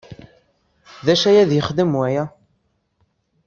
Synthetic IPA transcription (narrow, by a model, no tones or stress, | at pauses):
ðæʃæjæðjəχd̪əmwæjæ